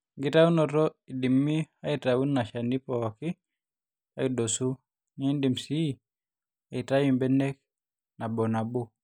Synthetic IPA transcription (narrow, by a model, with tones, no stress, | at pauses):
ŋɡɪ˦ta˦u˦nɔ˨tɔ˦i˨di˨mːi˦a˦i˨tau˦nːa˨ʃa˨ni˦pɔ˨ɔ˨kɪ˦ | a̰˦ido˨su˦ | ɲɛ˦i˦ndi˨msi˦ | a˨i˨ta˦ji˨mbɛ˦nɛ˦k | na˨bɔ˨na˨bo˦